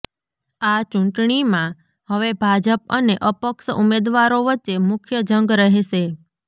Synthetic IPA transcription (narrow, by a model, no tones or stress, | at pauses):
at͡ʃũɳʈɳimã | ɦəʋebʱad͡ʒəp̚əneʔəpəkʃumed̪ʋaɾoʋəːt͡ʃːemʊkʰjəd͡ʒəŋɡɾəɦeʃe